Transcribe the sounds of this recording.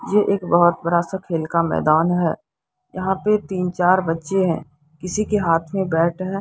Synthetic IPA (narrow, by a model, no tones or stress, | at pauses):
jeʔeːkbɐɦʊt̪̚bɐɾasakʰeːlkamɛ̰ːd̪aːnɦɛː | jɐɦãpet̪iːnt͡ʃaːɾbɐtːʃeɦɛ̰̃ː | kɪsikeɦaːt̪ʰmẽbɛːʈɦɛ̃ː